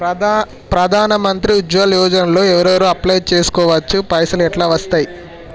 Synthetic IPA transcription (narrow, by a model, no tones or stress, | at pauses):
pɾɐd̪ʱaːnɐmɐnt̪ɾiud͡ʒʋɐljuːd͡ʒɐnɐlo̞ːɛʋɐɾɐʋɐɾuːɐplɐjt͡ʃe̞ːsu̥kɔːʋɐt͡ʃːupɐjsɐlɛʈlaːʋɐst̪aːji